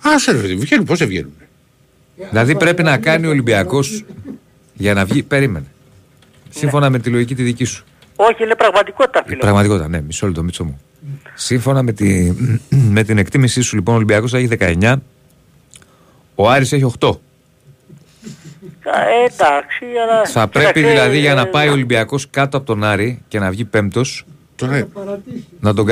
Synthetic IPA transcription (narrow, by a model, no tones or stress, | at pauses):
ɐseɾfeðvʝenuposevʝḛnume | ðilɐðipɾe̞pinɐkɐniolibiɐko̞s | ʝɐnɐvʝipe̞ɾime̞ne | simfo̞nɐme̞t̪iloʝicit̪iðicisu̥ | oçilepɾɐɣmɐt̪ikot̪̚t̪ɐfilpɾɐɣmɐt̪iko̞t̪it̪ɐne̞misolit̪o̞mit͡somu | siɱfo̞nɐme̞t̪i | me̞t̪ine̞kt̪imisisulipo̞nolimbiɐko̞sθɐeçiðe̞kɐe̞ɲɐ | oɐɾise̞çio̞xt̪o̞ | ed̪ɐksiɐlɐθɐpɾe̞piðilɐðiʝɐnɐpɐjo̞limbiɐko̞skɐt̪oɐpot̪o̞nɐɾice̞nɐvʝipe̞m̚t̪o̞s | nɐt̪o̞ɡ